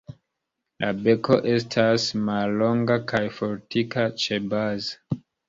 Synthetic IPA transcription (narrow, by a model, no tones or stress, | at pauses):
lʔabe̞kʰo̞ʔe̞s̬tʰasmalːo̞ŋɡakʰajfo̞ɾtikat͡ʃe̞bazḁ